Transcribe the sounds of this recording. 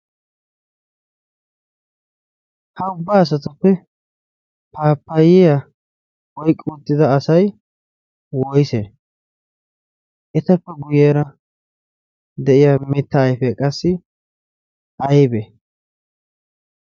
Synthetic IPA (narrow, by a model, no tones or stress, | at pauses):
hɐʊbːaːɐs̬ɐt̪ʊpːɛ | paːpːɐjɪja | wɔjkʼːuːt̪ːɪd̪ɐːsɐj | wɔjsḛː | ʔɛt̪ɐpːɛɡʊjeːɾɐ | d̪ɛʔɪjamɪt̪ːɐːjfɛkʼɐsːɪ | ʔɐjbe